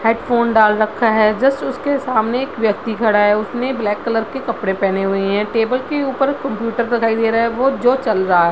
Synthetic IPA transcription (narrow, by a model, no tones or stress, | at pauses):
heːɖfʰoːnɖaːlɾɐkʰːaɦɛːd͡ʒɐst̪ʊskesaːmneːkʋjɐk̚t̪ikʰɐɽaɦɛʊsneblɛːkːələɾkekɐpɽẽpɛːneɦʊeɦɛ̃ʈeːbəlkeuːpəɾkɐ̃mpjuːʈəɾd̪ɪkʰaːid̪eːɾaɛʋod͡ʒoːt͡ʃɐlɾaɦaɦɛ